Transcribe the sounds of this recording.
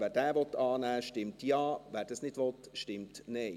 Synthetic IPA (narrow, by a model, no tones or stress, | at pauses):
ʋæːɾdɛːʋɔt̪ːɑːnæːʃtɪmt̪jɑːvæːɾd̥ɛsnɪd̥ʋɔt̪ʃtɪmtneɪ